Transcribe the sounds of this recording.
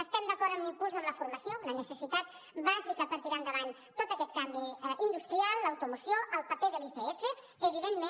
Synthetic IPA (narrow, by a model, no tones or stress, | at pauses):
əst̪ɛmd̪əkɔɾəmimpulˠzəmləfuɾmɐsjonənəsəsit̪at̪̚ | bazikəpəɾt̪iɾand̪əβan | t̪ot̪əkɛt̪̚kambiʔind̪ust̪ɾialˠːəwt̪umusjoʔəlˠpəpeðəlifeesə | əβiðenmẽ